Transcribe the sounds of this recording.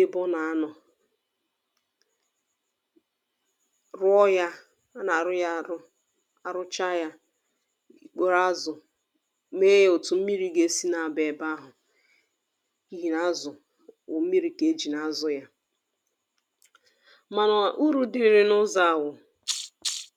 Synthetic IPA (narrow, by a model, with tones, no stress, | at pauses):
e˦bɔ˦na˨a˦nɔ˨ | ɾʊ˦ɔ˦ja˦ | a˦na˨ɾʊ˦ja˦˨ɾʊ˦ | a˨ɾʊ˦t͡ʃa˦ja˦ | i˦k͡po˦ɾa˦zʊ˨ | me˦je˦o˨tʊ˨m̩˦mi˦ɾi˦ɡe˦si˦na˨a˨be˨ba˦ɦʊ˨ | i˦ɦi˨na˦zʊ˨ | ʊ̰˨m̩˦mi˦ɾi˨ke˦d͡ʒi˨na˦zʊ˨ja˦ | ma˨nɔ˨a˨ʔu˦ɾu˦dɪ˦ɾɪ˨ɾɪ˦nʊ˦za˦˨wʊ˨